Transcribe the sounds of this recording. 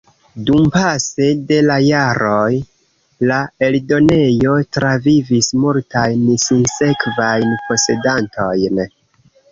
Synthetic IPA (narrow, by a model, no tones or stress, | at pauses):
dumpase̞de̞lajaɾo̞j | lae̞ldo̞ne̞jo̞tɾavivismultajnsinse̞kvajnpo̞se̞dantʰo̞jn